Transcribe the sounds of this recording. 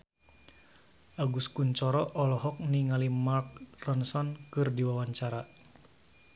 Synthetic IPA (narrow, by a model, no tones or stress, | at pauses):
ʔaɡuskuɲt͡ʃɔɾɔʔɔlɔɦɔk̚niŋalimark̚rɔnsɔnkɨrdiwawaɲt͡ʃaɾa